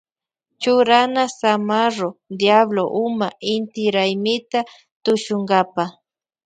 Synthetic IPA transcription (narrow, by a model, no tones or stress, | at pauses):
t͡ʃʊɾanasamaɾod̪jabloʔʊmaɪnt̪ɪɾajmɪt̪a | t̪ʊʃʊŋɡapa